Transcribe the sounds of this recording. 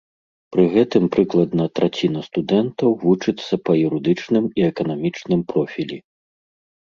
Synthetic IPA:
pɾɨɣɛt̪ɨmpɾɨklˠɐd̪nɐt̪ɾat͡sʲinɐst̪ud̪ɛnt̪ɐwvut͡ʂɨt̪sːɐpɐjuɾɨd̪ɨt͡ʂnɨmiɛkɐnamʲit͡ʂnɨmpɾɔfʲilʲi

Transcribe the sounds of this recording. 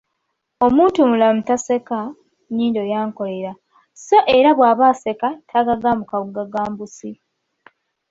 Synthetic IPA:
o̞muːntumulamutase̞ka | niːndo̞jaːŋko̞le̞ɾa | so̞ʔe̞ɾaβwaːβaːse̞katʰaɡaɡamukaβuɡaɡaːmbusi

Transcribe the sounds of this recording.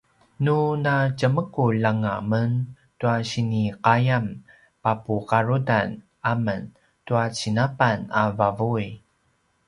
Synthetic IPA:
nunacəməkulaŋamən | tuaɕiniqajam | papukaɾudan | amən | tuat͡ɕinapanavavui

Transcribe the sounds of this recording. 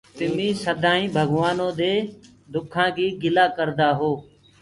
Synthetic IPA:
t̪ɪmĩːsəd̪ʱãːĩːbʱəɡʋaːnõːd̪eː | d̪ʊkʰãːkiːɡɪlaːkəɾd̪aːɦoː

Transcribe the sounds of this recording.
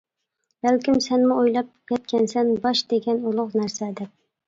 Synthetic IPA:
b̥ælkʲɪmsænmʊojlˠɑp̚kʲʰɛt̪kʲʰɛnsænbɑʃd̪eɡʲɛnʊlˠʊqnæɾsæd̪ɛp̚

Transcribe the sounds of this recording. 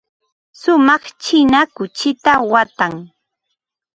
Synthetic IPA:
sʊmɑχt͡ʃɪnakʊt͡ʃɪt̪awat̪aŋ

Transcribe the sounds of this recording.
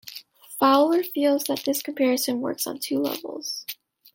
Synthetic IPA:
falˠə˞filˠzðət̪̚ðɪskʰmpʰɛɹɨsɨ̃nwɜ̰˞ksn̩tʰʉlɛ̰vl̩ˠz̥

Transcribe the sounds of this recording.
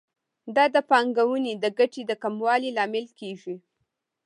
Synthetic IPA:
d̪ɑd̪əpɑŋɡawunid̪əɡaʈid̪əkamwɑlilɑmɪlkeʒi

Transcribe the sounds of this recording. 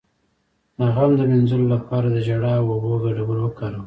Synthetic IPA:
naɣɑmd̪əmɪnzulolapɑɾad̪əd͡ʒaɽaawoboɡaɖabəɾwəkaɾu

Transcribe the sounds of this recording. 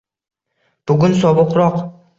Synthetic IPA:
b̥ʊɡʲʊnsɒbɨqɾɒq

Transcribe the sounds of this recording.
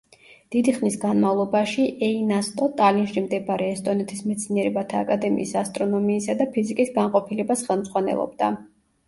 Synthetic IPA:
d̪̥id̪iχnisɡanmavlˠɔbaʃiʔɛinast̪ʼɔt̪ʼalinʃimd̪ɛbaɾɛːst̪ʼɔnɛt̪ʰismɛt̪sʰniɛɾɛbat̪ʰaːkʼad̪ɛmḭːsast̪ʼɾɔnɔmiːsad̪apʰizikʼisɡaɴqʼɔpʰilɛbasχɛlˠmz̥ʁwanɛ̰lˠɔ̰b̚d̪a̰

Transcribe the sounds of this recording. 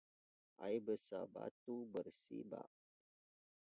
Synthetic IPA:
ʔa̰jbəsabat̪ubərsḭba̰ʔ

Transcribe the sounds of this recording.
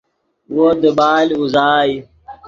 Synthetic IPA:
wod̪əbaːluzaːj

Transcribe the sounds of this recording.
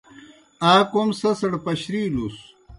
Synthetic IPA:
aːkomsɐsɐɽpɐɕɾiːlus

